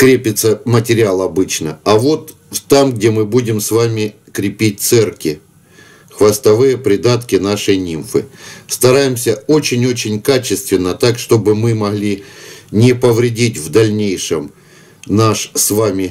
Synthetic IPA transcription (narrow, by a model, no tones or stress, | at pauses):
kɾʲepʲɪt̪səmətʲɪɾʲɪalˠɐbɨt͡ɕnəɐvo̞t̪ | t̪amɡdʲemɨbudʲɪmsvamʲɪ | kɾʲɪpʲit̚ʲt̪sɛrkʲɪ | xvɐst̪ɐvɨjəpɾʲɪd̪at̪kʲɪnaʂɨjnʲimfɨ̰st̪ɐɾajɪmsʲəo̞t͡ɕɪnʲo̞t͡ɕɪnʲkat͡ɕɪst̪vʲɪnːət̪akʂt̪o̞bɨmɨmɐɣlʲinʲɪpəvɾʲɪdʲitʲvd̪ɐlʲnʲejʂɨm | naʂsvamʲɪ